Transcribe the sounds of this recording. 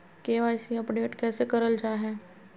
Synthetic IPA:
keːʋaːɪsiɐpɖeːʈkɛːsekɐɾəld͡ʒaːɦɛː

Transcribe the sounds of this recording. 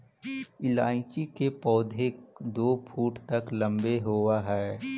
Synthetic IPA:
ɪlaːɪ̃t͡ʃikepɔːd̪ʱekd̪oːpʰuːʈt̪ɐklə̃mbeɦoːwaɦɛː

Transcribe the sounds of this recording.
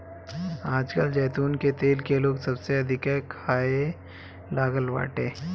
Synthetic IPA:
aːd͡ʒkəld͡ʒɛːt̪uːnket̪eːlkeloːɡsɐbseɐd̪ʱɪkɛkʰaːe | laːɡəlʋa̰ːʈeː

